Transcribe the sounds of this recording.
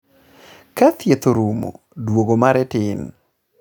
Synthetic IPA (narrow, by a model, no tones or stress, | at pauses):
kat̪jet̪oɾumo̰ | dwoɡomaɾɛtɪn